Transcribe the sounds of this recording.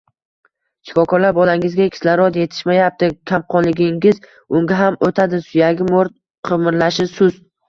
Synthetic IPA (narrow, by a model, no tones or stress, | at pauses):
t͡ʃʲʰɪ̥kɒkʰɒɾlaɾbɒlaɪŋɪzɡʲakʰʲɪ̥slaɾɒt̪je̞t̪ʰɪ̥ʃmajap̚t̪ɪkʲʰamqʰɒnlɪɡʲɪŋʲɪz | ʊŋɡʲaɦamot̪ʰad̪ɪsʊjaɡʲɪmoɾt̪̚ | qʰɨmɪɾlaʃɪsʊz